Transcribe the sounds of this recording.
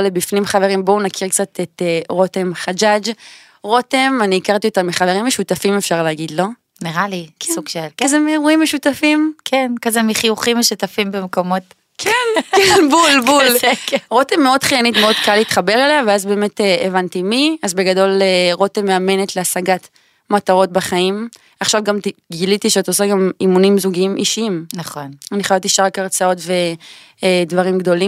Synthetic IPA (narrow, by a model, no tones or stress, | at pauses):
lebifnimχaveʁimbo̞unakʰiʁkt͡sat̪eteʁo̞temχad͡ʒad͡ʒ | ʁo̞temaniːkaʁt̪iotamiχaveʁimːeʃutafimefʃaʁleaɡid̪lo̞ | niʁaliksuɡʃelkkazemeʁuimeʃutafimkʰenkazemiχiuχimeʃutafimbemkomo̞t | kʰenenbulbulʁo̞t̪emeo̞dχijanitmeo̞d̪kaliːt̪χabe̞ʁeleaveazbeːme̞teevant̪imiazbe̞ɡado̞leʁot̪emeame̞net̪leasaɡat | mataʁo̞t̚baχaim | aχʃavɡamtiɡilit̪iʃeatosaɡamimunimzuɡiimʔiʃiimnɐχonaniχoavt̪iʃaʁakaʁt͡sao̞tve | dvaʁimɡdo̞lim